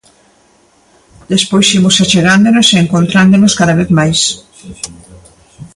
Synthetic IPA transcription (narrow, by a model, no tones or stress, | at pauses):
d̪espojsimʊsat͡ʃeɣand̪onoseeŋkõnt̪ɾand̪onoskaðaβ̞eθmajs